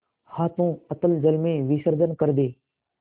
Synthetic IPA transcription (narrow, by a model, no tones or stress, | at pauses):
haːt̪ũːət̪əld͡ʒəlmẽːʋiːsəɾd͡ʒənkəɾd̪eː